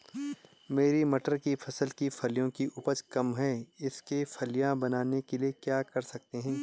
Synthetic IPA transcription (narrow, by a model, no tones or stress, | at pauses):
meːɾimɐʈəɾkifʰɐsəlkifʰɐlijõkiʔʊpəd͡ʒkɐmɦɛːɪskefɐlijãbɐnaːnekeliekjaːkɐɾsɐk̚t̪eɦɛ̃ː